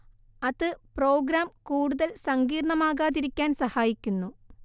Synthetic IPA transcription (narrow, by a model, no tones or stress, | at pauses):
ɐðɨproːɡɾaːmkuːɽuðɐlsɐŋɡiːɾɳɐmaːɣaːðiɾikʲːaːnsɐhaːjikʲːunːu